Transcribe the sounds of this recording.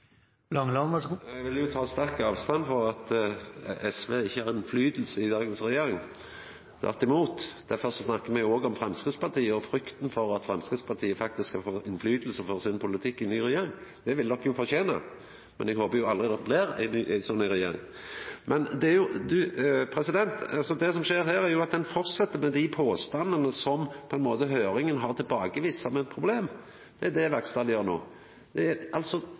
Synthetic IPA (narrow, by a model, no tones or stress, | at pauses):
lɑŋlɑnɑʋɪljʊt̪ʰɑːst̪æɾkəɑːʋst̪ɑnfɔɾɑt̪ | ɛsʋeɪçːəhɑɾɪnflyːd̪l̩səɪd̪ɑːɡənsʁɛjeːɾɪŋ | t̪ʰʋæ̰ʁt̪ːɪmuːt̪d̪̥æfɔʁsɔsnɑkːəmɛɡjʊoːɡɔmfɾɛmskʁɪt̪spʰɑʁt̪ʰiːəɔfɾʏkt̪nfɔɾɑt̪fɾɛmskʁɪt̪spʰɑt̪ʰiːəfɑk̚t̪ɪskhɑfoːʔɪnflyːd̪l̩səfɔɾsɪnpʰʊlɪt̪ʰɪkːɪnyːɾɛjeːɾɪŋd̪̥ɛʋɪld̪ɔkːjʊfɔɕeːnə̰ | mɛ̰nɛɡhoːpəjʊɑlɾɪd̪ɛt̪blɪɾæ̰ɪnːʔæɪsɔnːɪɾɛjḛːɾɪ̰ŋ | mɛnd̪ɛæɾjʊd̪ʉpʰɾɛsɪd̪ɛnt̪ɑlsɔd̪ɛs̬ɔmʂeːɾɦæːɾæɾjʊɑt̪̚d̪ɛnfɔɾt̪sɛt̪ːəɾmɛd̪ɪpʰoːst̪ɑnd̪ənəsɔmpʰɔɛnmoːt̪əɦøːɾɪŋənɦɑːʁt̪ʰɪlbɑːɡəʋiːsːɔmɛt̪̚pʰɾʊbleːm | d̪̥ɛæd̪ɛʋæɾkst̪ɑːljøːɾno̰ː | d̪̥ɛæɾɑlt̪sɔ